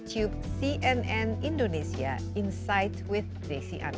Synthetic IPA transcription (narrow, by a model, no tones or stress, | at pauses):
tʰjub̚siʔɛ̃nɛ̃nĩndonesia̰ | ĩnsaɪtwɪθkɹesiʔã̰n